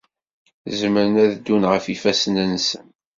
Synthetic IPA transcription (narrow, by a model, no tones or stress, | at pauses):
zməɾənæðd̪ːunʁəfifæsənænsə̰n